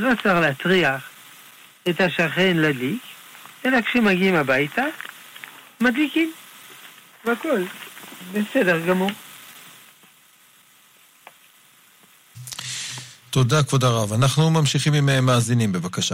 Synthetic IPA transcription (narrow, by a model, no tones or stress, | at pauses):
lot͡saʁleat͡sʁiaχ | et̪haʃaχe̞nladik | e̞lakʃemaɡiimabajt̪a | madlikim | vakolbesedeʁɡamuʁ | t̪odakvodaʁavanaχnumamʃiχimimeemːaːzinimbevakaʃa